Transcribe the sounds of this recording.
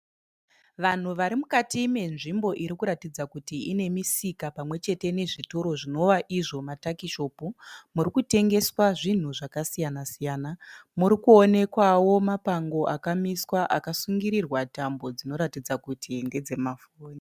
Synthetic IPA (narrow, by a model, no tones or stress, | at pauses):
ʋan̤uʋaɾimukatime̞nʐimbo̞ʔiɾikuɾatid͡zakutiine̞misikapamwe̞t͡ʃe̞te̞ne̞ʐitoɾo̞ʐino̞ʋaʔiʐo̞matakiʃo̞ːpumurikute̞ŋɡe̞swaʐin̤uʐakasijanasijaːnamuɾikuone̞kwawo̞mapaŋɡo̞ʔakamiswaʔakasuŋɡiɾirwatambo̞d͡zino̞ɾatid͡zakutʰiŋɡe̞d͡ze̞mafoːni